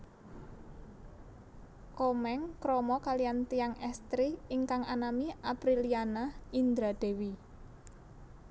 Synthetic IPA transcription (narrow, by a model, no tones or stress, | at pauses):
kɔmɛŋkɾɔmɔkalijant̪ijaŋɛst̪ɾiiŋkaŋanamiapɾilianaind̪ɾad̪̥e̤wi